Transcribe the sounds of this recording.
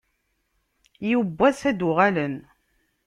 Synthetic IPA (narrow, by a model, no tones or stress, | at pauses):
jubːæsæd̪ʊʁælən